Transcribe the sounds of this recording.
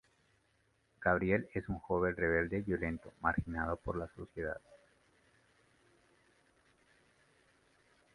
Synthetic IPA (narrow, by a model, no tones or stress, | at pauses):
ɡ̥aβɾje̞le̞suŋxo̞βe̞nre̞βe̞ld̪eβjo̞le̞nt̪o̞maɾxinað̞o̞po̞ɾlaso̞sjeða̰ð